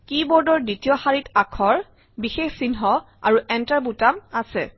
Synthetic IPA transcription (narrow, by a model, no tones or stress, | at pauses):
kibɔɹdɔɹditijɔxaɹitakʰɔɹ | bixexsinɦɔ | a̰ɹuɛntaɹbutamasɛ